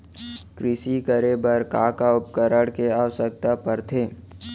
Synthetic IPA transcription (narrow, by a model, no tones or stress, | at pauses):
kɾɪsikəɾebəɾkaːkaʊp̚kəɾəɽkeaːwəsək̚t̪apəɾt̪ʰeː